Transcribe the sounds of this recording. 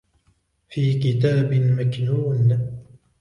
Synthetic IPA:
fiːkɪt̪aːbɪmaknuːn

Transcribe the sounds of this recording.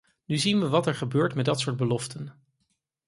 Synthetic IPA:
nyzinʋəʋɑtɛɹχəbøːɹtmɛdɑtsʊːɹd̚bəlɔftən

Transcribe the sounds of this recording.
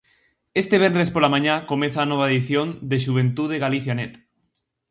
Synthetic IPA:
est̪eβ̞enespolamãɲakomẽθaːnoβ̞aeðiθjond̪eʃuβ̞ẽnt̪uðeɣaliθjanet̪

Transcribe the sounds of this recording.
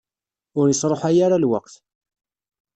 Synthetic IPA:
ʊɾjəsˤɾˤoħajaɾalwa̰qθ

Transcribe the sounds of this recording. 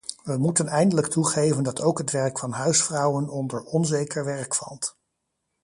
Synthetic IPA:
ʋəmutənɛjndələktuχejvəndɑtʰowkɦətʋɛɹkfɑnɦœɥsfrɑwənɔndəɹɔnzejkəɹʋɛɹkfɑ̰lˠt

